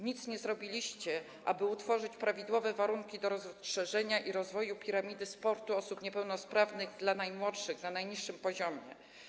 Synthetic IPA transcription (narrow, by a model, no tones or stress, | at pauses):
ɲit̪sɲɛzɾɔbʲilʲiɕt͡ɕɛ | ʔa̰bɘut̪fɔʐɘt͡ɕpɾavʲid̪wɔvɛvaɾuŋkʲid̪ɔɾɔzʂɛʐɛɲaʔiɾɔzvɔjupʲiɾamʲid̪ɘspɔɾt̪uɔsupɲɛpɛwnɔspɾavnɘɣd̪lanajmwɔtʂɘɣnanajɲiʂːɘmpɔʑɔmʲjɛ̰